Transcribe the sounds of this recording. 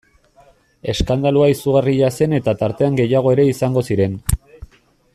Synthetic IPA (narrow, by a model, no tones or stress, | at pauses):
e̞skand̪aluaisuɣariʎase̞ne̞t̪at̪aɾt̪e̞aŋɡe̞jaɣ̞o̞e̞ɾe̞isaŋɡo̞siɾe̞n